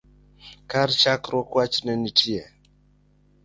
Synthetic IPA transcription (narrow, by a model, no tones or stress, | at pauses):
kaɾt͡ʃakɾɔkwat͡ʃnɛnitʰiɛ